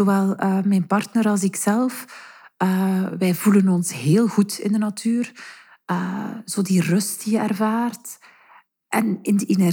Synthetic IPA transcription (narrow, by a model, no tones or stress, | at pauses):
oʋɛlˠəːmɛjnpɑrtnəɾɑlˠzɪksɛlˠfəːʋɛjvulənɔnsɦeːlˠɣutɪ̰ndənatʰyːr | əːz̥oːdirɵstdijəɛrvaːrt | ʔɛnɪndəʔenɛr